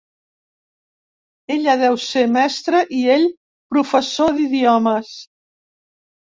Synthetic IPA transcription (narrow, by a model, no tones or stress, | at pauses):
eʎəðɛwsemɛst̪ɾəʔieʎ | pɾufəsoðiðiɔməs